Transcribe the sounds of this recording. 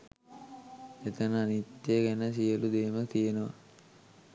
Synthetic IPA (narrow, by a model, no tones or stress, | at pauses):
et̪ənəanit̪ːeɡænəs̬ijəlud̪eːmət̪ijənəʋa̰